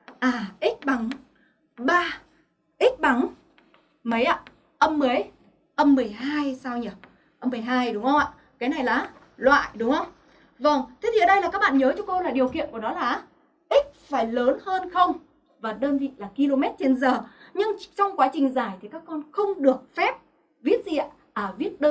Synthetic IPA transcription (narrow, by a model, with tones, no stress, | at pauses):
ʔaː˨˩ʔi˦˥k̚ɓa˨˦ŋ | ɓaː˧ | ʔi˦˥k̚ɓa˨˦ŋ | mə˨˦jʔa̰ː˧˨ | ʔə˧mːə˨˦j | ʔə˧mːɨ˨˩əjɦaː˧jsaː˧wɲə˨˩t̚ | ʔə˧mːɨ˨˩əjɦaː˧jɗʊ˨˦ŋ͡mhə˧ŋ͡mʔa̰ː˧˨ | kaː˨˦jna˨˩jlaː˨˩ | lwa̰ː˧˨jɗʊ˨˦ŋ͡mhə˧wŋ͡m | və˨˩wŋ͡mt̪ʰe˨˦˥t̪i˧˨˩ɗə˧jla˨˩kaː˦˥k̚ɓa̰ː˧˨nɲəː˨˦t͡ɕɔ˧ko˧laː˨˩ɗi˨˩əwkḭ˧˨ənku˧˩nɔ˨˦laː˨˩ʔ | ʔi˦˥k̚faː˧˩jləː˨˦nhəː˧nxə˧wŋ͡m | vaː˨˩ɗəː˧nvḭ˧˨laː˨˩ki˧lo˧mɛ˦˥t̚t͡ɕe˧nzəː˨˩ɲɨ˧ŋt͡ɕɔ˧wŋ͡mkwaː˨˦t͡ɕï˨˩ŋ̟zaː˧˩jt̪ʰi˨˩kaː˦˥kːɔ˧nxə˧wŋ͡mɗɨ˨˩ək̚fɛ˦˥p̚ | vi˦˥ət̚zḭ˧˨a˧˨ | ʔəː˧˩vi˦˥ət̚ɗəː˧